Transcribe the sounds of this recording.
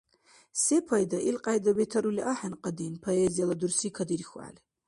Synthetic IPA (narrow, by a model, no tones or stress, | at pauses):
sepʰajd̪aʔilqʼajd̪awet̪ʰɐɾuliʔaħanqʼad̪inpʰoezijalad̪ursikʰad̪irxʷa̰l